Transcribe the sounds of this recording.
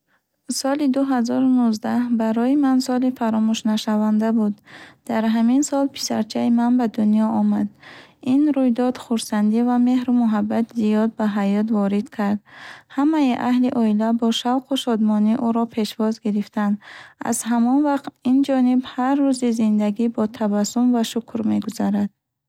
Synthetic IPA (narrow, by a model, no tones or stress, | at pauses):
sɔlid̪uɦazɔɾunuzd̪ahbaɾɔimansɔlifaɾɔmuʃnaʃavand̪abud̪d̪̥aɾɦaminsɔlpʰi̥sa̰ɾt͡ʃʰaimanbad̪unijɔɔmad̪inɾujd̪ɔd̪̥χuɾsand̪ivame̞hɾumuɦabːat̪zijɔd̪̚baɦajɔt̪vɔɾid̪̥kʰaɾd̪hamaiʔahliʔɔilabɔʃavqʰuʃɔd̪mɔniʔuɾɔpʰe̞ʃvɔzɡiɾift̪and̪a̰z̥hamɔnvaqt̪ind͡ʒɔnibharːuzizind̪aɡibɔt̪ʰavasumvaʃukʰɾme̞ɡuzaɾad̪̥̚